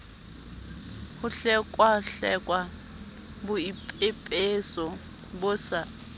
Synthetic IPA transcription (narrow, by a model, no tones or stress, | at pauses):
hʊɬɛkʼwaɬɛkʼwa | bʊipʼepʼesɔ | bʊsa